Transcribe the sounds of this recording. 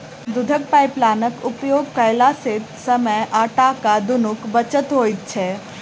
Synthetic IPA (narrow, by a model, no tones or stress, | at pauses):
d̪ʊd̪ʱək̚pajplaːnəkʊpjoːɡ̚kəjlaset̪səməjʔaːʈakad̪ʊnʊkbət͡ʃət̪ɦoːjt̪̚t͡ʃʰe